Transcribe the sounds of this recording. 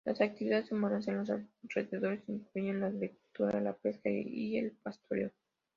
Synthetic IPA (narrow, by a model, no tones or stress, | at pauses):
lasak̚t̪iβiðaðesemoɾans̬enlos̬areðeðo̞ɾesiŋklejonlaɣɾikult̪uɾa̰lape̞skaielpast̪ʰoɾeo